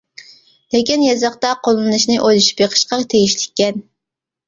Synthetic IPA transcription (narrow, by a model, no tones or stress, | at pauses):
lɪkʲinjɑzɑχt̪ɑqʰolˠɨnɨʃnɨʔojlˠuʃi̥pjeqʰə̥ʃqɑt̪ʰeɡʲiʃlɪkʲːɛn